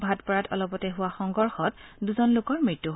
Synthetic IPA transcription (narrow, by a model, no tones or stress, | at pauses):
bʱatpɔɹatʰɔ̰lɔpɔtɛɦʊwaxɔŋɡɔɹxɔtduzɔnlʊkɔɹmɹitːuɦ